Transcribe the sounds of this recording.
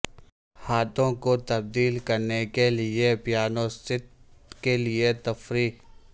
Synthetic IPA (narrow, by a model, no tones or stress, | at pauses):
haːt̪õkot̪ɐb̚d̪iːlkɐɾnekelɪepjaːnõsɪt̪kelɪet̪ɐfɾiː